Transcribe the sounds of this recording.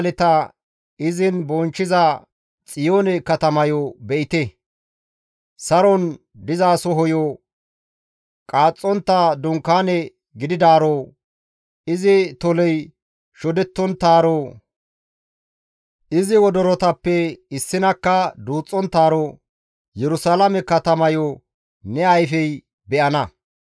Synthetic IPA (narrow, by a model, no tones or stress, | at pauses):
lɛt̪ɐ | ɪzɪnbɔnt͡ʃːɪzɐ | t͡sʼɪjoːnɛkɐt̪ɐmɐjɔbɛʔɪt̪ɛ | sɐɾɔn | d̪ɪzaːsɔɦɔjɔ | kʼaːt͡sʼːɔnt̪ːɐd̪ʊŋkːaːnɛ | ɡɪd̪ɪd̪aːɾo | ɪzɪt̪ɔlɛj | ʃɔd̪ɛt̪ːɔnt̪ːaːɾɔ | ʔɪzɪwɔd̪ɔɾɔt̪ɐpːɛɪsːɪnɐkːɐd̪uːt͡sʼːɔnt̪ːaːɾɔ | jɛɾʊsalɐmɛkːɐt̪ɐmɐjɔ | nɛɐjfɛj | bɛʔɐnɐ